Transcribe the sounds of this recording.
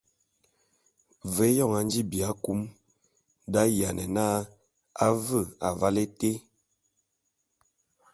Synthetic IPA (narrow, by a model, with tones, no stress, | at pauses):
vɛ˨˦jɔ˦˨ŋa˨nd͡ʒi˦bi˨a˨˦ku˦m | da˦ja˨nʔɛ̰˨na˦ | a˦və˦˨a˨va˦le˦te˦